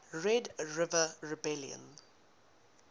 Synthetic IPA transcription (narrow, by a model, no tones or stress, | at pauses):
ɹɛdɹɪvəɹɪbɛljə̰̃n